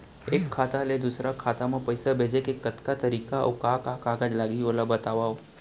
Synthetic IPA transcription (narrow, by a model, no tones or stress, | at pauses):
eːkʰːaːt̪aled̪usɾakʰaːt̪amãpəjsabʱeːd͡ʒekekːət̪kat̪əɾiːkao̰kakakaːɡad͡ʒlaːɡioːlabət̪aːʋao